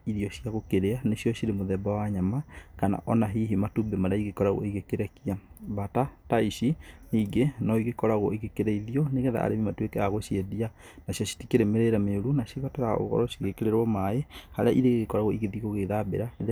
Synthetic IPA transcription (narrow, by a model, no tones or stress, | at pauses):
iðiɔɕiaɣokeɾeaneʃjɔɕiɾemoðɛbawaɲamakana̰ʔɔnaɦiɦimatubemaɾeaiɣekɔɾaɣo̰iɣekeɾɛkia | βatataiʃiniɡenɔiɣekɔɾaɣoiɣekeɾɛiðiɔneɣɛða̰a̰ɾemimatwekɛaɣoʃjedia | naɕiɔʃi̥tikeɾemeɾeɾɛmeoɾunaʃiβataɾao̰ɣɔ̰ɾɔʃiɣekeɾeɾwɔmaehaɾeaʔiɾeɣɣekɔɾaɣoiɣeðiɣoɣeðabḛɾaið